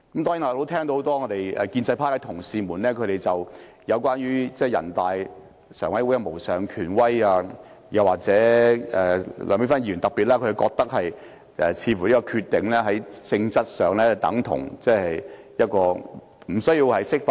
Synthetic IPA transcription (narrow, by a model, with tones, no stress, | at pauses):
kɐ˨˦mt̪ɔː˥ŋji˨˥naː˨˧˨lo˨˥t̪ʰɛː˥ŋt̪o˧ho˧˥t̪ɔː˥ŋɔː˨˧t̪e˨jɛ̰˨˧kiː˧nt͡sɐ˧jpʰaː˥kɛ˧t̪ʰʊ˨˩ŋsiː˧muː˨˩nlɛː˥kʰɵ˨˧ɾe˨jt͡sɐ˨˩w | jɐ˨˧wkʷaː˥nɥyː˥t͡sɛː˥˩jɐ̰˨˩nt̪aː˨j | sœ̰ː˨˩ŋwɐ˨˥jwu˨˥jɐ˨˧mo˨˩wsœː˨˩ŋkʰyː˨˩nwɐ˥jaː˧ | jɐ˨waː˨k̚t͡sɛː˨˥ɛː˨lœː˨˧mpiː˥fa˥nji˧˩˨nt̪ɐ˨k̚piː˨t̚laː˦˥kʰkɔː˧k̚t̪ɐ˥k̚hɐ˨j | ʔɛ˨t͡sʰiː˨˧fu˨˩liː˥kɔː˧kʰy˧t̪ːɪ˨ŋlɛː˥ɦɐ˨˥jt͡sɪ˧ŋt͡sɐ˥t̚sœː˨ŋlɛː˥t̪ɐ̰˨˥ŋt̪ʰʊ̰˨˩ŋt͡sɛː˥hɐ˨˩j | jɐ˥t̚kɔː˧ | m̩˨˩sɵ˥ɥjiː˧whɐ˨jsɪ˥k̚fa˧